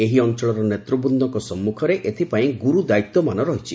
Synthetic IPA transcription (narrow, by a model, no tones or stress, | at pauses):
eɦiɔnt͡ʃɔɭɔɾɔnet̪ɾɔbɔnd̪ʱɔŋkɔsɔmːukʰɔɾeʔet̪ʰipaĩɡuɾud̪ait̪ːɔmanɔɾɔɦit͡ʃʰi